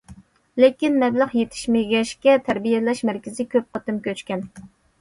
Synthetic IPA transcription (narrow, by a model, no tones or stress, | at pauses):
lekʲinmɛblˠəχjet̪ʰɪ̥ʃmeɡʲɛʃkʲɛt̪ʰæɾbijɛlɛʃmæɾkʲɪzɪkʲʰøp̚qʰɑt̪ɨmkʲøt͡ʃkʲɛn